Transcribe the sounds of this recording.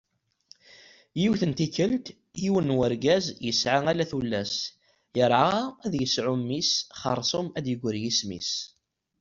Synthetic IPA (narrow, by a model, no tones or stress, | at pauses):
jiwθənt̪ikːəlt̪ | jiwənːwəɾɡæzjəsʕaŋælæθulːæs | jəɾˤʕaæðjəsʕumːisχɑ̰ɾˤsˤomæd̪jəɡʷəɾjismḭs